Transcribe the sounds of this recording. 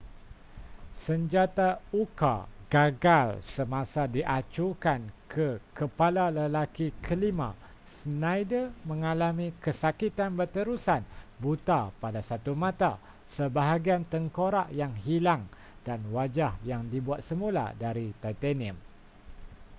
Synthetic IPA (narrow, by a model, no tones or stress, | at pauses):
səɲd͡ʒat̪auka̰ɡ̥aɡalsəmãsadiʔat͡ʃukankʰəkəpalaləlakikʰəlima̰ʔ | snãjdəmə̃ŋalamĩkəsakit̪anbərt̪əɾusanbut̪apadasat̪umãt̪a | səbaɦaɡiant̪əŋkoɾaʔjaŋɦilaŋ | d̥anwad͡ʒahjaŋdibuat̪̚səmula̰daɾit̪ajt̪aniə̃m